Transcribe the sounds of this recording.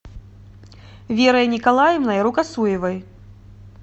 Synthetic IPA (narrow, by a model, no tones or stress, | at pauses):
vʲɛɾɐjɐnʲikalˠajɛmnɐjɐɾukasujɛvɐj